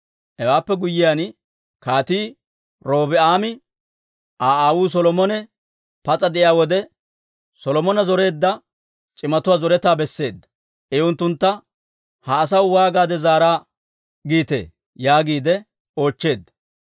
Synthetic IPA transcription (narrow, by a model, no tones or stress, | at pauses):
ɛwaːpːɛɡʊjːɪjaːn | kaːt̪iː | ɾo̞ːbɪaːmɪ | ʔaːaːwuːs̬ɔlɔmɔnɛ | pɐt͡sʼɐd̪ɛʔɪjaːwɔd̪ɛ | sɔlɔmɔnɐzɔɾe̞ːd̪ːɐ | t͡ʃʼɪmɐt̪ʊwaːzɔɾɛt̪aːbɛsːe̞ːd̪ːɐ̥ | ɛʊnt̪ːʊnt̪ːɐ | hɐːs̬ɐwwaːɡaːd̪ɛzaːɾaː | ɡiːt̪e̞̰ː | jaːɡiːd̪ɛ | o̞ːt͡ʃːe̞ːd̪ːɐ̥